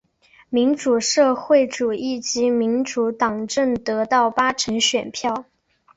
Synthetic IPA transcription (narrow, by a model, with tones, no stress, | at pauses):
mi˧˥nʈ͡ʂu˨˩ʂɤ˥˧xwe˥˩ɪʈ͡ʂu˨˩i˥˩t͡ɕi˧˥mi˧˥nʈ͡ʂu˧˥t̪ɑ˨˩ŋʈ͡ʂə˥˩ŋt̪ɤ˧˥t̪ɑ˥˩ʊpa˥ʈ͡ʂʰə˧˥ŋɕɥɛ˨˩npʰjɑ˥˩ʊ